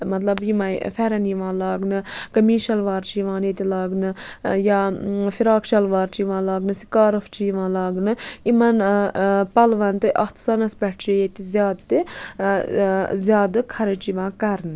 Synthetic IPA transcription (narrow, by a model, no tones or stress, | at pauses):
mɐt̪lɐbjimɐfʰɛɾɐniʋãːlaːɡnɨkɐmiːʃɐlʋaːɾt͡ʃiʋãːnet̪ilaːɡnɨjaːfʰiɾaːkʃɐlʋaːɾt͡ʃiʋãːlaːɡnɨsi̥kaːɾɐft͡ʃiiʋãːlaːɡnɨimɐn | pɐlʋɐnt̪ɨʔɐ̰t̪ʰsɐnɐspʲɛʈʰt͡ʃijet̪izjaːd̪t̪ɨ | zjaːd̪ɨkʰɐɾɐt͡ʃiʋãːkɐɾnɨ